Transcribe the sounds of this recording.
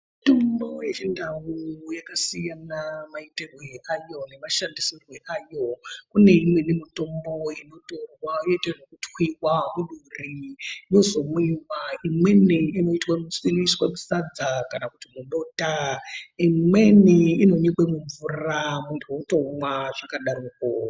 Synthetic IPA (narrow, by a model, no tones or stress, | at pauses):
ittombo̞jet͡ʃindawujakasijanamaiterweajo̞ne̞maʃandisirwe̞ʔajo̞kune̞imwinimito̞mbo̞ino̞to̞rwaoiterokutwiwamuɗurijo̞zo̞muiwaimwe̞niino̞itwamusiniswamusad͡zakanakutimuɓo̞taimwe̞niino̞nikwemuɱvuramudotomwaʐakaɗaɾuko